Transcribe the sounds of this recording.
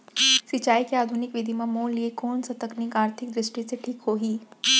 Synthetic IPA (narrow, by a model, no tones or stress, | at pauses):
sɪt͡ʃaːikeaːd̪ʱʊnɪkʋɪd̪ʱimẽmoːnliekoːnsɐt̪əknɪkaːɾt̪ʰɪk̚d̪ɾɪʃʈiseʈʰiːkɦoːɦiː